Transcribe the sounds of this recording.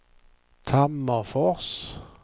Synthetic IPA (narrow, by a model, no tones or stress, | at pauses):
t̪ʰamːəfɔʁs